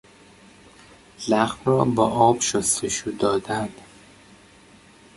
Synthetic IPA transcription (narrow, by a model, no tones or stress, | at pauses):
læɣmrɒːbɒːʔɒːb̥ʃost̪ʰeʃuːd̪ɒːd̪ænd̪